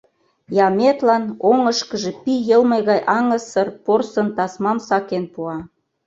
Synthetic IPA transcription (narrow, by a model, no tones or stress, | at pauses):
jɑmʲet̪lɑnoŋəʃkəʒe̽pijəlmɤjɣɑjʔɑŋə̆sɤrporsənt̪ɑsmɑmsɑkenpuɑ